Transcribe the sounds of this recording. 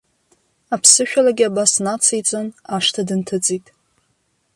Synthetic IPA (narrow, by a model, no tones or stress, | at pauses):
apʰsɨʃᶣalaɡʲɪabasnat͡sʰajt͡sʷʼonaʂtʰadɨntʰɨt͡sʼitʼ